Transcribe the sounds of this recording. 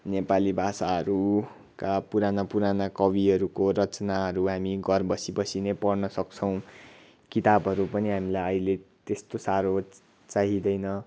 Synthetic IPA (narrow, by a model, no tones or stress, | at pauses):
nepalibʱasaɦʌɾu | kapuɾanapuɾanakʌbiɦʌɾukoɾʌt͡snaɦʌɾuɦamiɡʌrbʌsibʌsinepʌrnʌsʌkt͡sʰʌw̃ | kit̪abʱɦʌɾupʌniɦamilajʌilet̪est̪osaɾo | t͡saɦid̪ʌjnʌ